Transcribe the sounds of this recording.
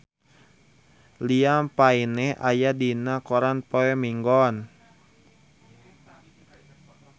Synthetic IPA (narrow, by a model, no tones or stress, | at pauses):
liapainɛhʔa̰jadinakɔɾanpɔɛmiŋɡɔn